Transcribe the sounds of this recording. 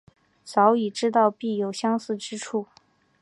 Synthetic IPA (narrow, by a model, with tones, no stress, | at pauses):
t͡sɑ˧˥ʊi˨˩ʈ͡ʂɻ̩˥t̪̬ɑ˥˧ʊpi˥˩jo˨˩ʊɕjɑ˥ŋsɹ̩˥˩ʈ͡ʂɻ̩˥ʈ͡ʂʰu˥˩